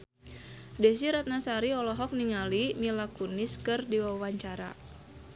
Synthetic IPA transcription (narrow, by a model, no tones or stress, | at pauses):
dɛs̬iɾat̪̚nasaɾiɔlɔɦɔk̚niŋalimilakuniskɨrdiwawaɲt͡ʃaɾa̰